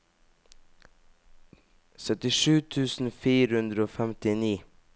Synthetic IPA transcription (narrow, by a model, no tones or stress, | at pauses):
sœt̪ɪʃʉːt̪ʰʉːsn̩fiːɾhʉnd̪ɾəoːfɛmt̪ɪniː